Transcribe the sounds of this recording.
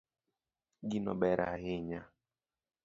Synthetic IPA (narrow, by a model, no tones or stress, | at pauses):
ɡinɔ̰bɛɾa̰ɦɪɲa